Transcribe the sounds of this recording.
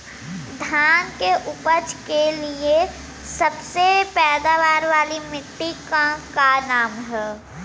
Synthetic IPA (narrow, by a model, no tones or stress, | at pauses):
d̪ʱaːnkeʔʊpəd͡ʒkelie | sɐbsepɛːd̪aʋaːɾʋaːlimɪʈːikãkanaːmɦɛː